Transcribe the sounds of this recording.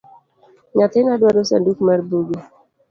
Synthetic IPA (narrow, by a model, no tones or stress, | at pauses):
ɲat̪ɪnadwadosa̰ndukmarbuɡi